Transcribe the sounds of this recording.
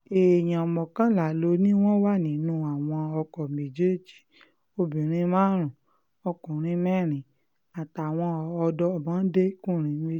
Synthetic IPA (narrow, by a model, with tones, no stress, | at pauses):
e˨j̃ã˨ɔ˨mɔ̃˨kã˨˦la˨lo˧nĩ˦w̃ɔ̃˦wa˦˨nĩ˨nũ˧˦a˨w̃ɔ̃˧ɔ˧kɔ˨me˨d͡ʒe˦˨d͡ʒi̥˨ | o˧bĩ˨ɾ̃ĩ˧mãː˦ɾ̃ũ˨ | ɔ˧kũ˨ɾ̃ĩ˧˦mɛ˦˨ɾ̃ĩ˨ | a˨ta˨w̃ɔ̃˧ɔ˧dɔ˧˦˨mã˨˦de˦kũ˦˨ɾ̃ĩ˨˧˦me˧